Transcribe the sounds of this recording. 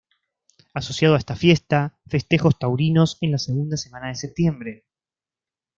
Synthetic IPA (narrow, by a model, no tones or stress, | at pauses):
aso̞sjað̞oaest̪afje̞st̪afest̪e̞xo̞st̪awɾino̞se̞nlaseɣund̪ase̞mãnaðese̞p̚t̪je̞mbɾe̞